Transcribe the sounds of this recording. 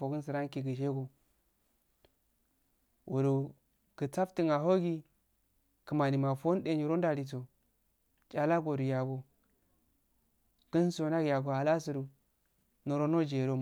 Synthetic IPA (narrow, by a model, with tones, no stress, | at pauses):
o˨ɡə˦n˦sə˨ɾa˦ŋ˦ki˨ɡə˨ʃe˦ɡo˨ | wʔu˨ɾu˨ | kə˨t͡sa˦fti˦ŋa˨ɦo˦ɡi˦ | kə˨ma˨ni˨ma˨fo˦n˦de˨ɲi˨ɾo˦n˦da˨ɾi˨t͡so˨ | t͡ʃa˨la˦ɡo˨du˨ja˨ɡo˨ | ɡ̥ə˦n˦so˨na˦ɡja˨ɡo˨a˨la˦su˨ɾu˨ | nə˨ɾo˦no˦d͡ʒe˨ɾo˦